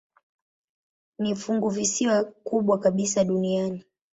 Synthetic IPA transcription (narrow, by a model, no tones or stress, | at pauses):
nifuŋɡuvisiwakuɓwakaɓisaɗuniani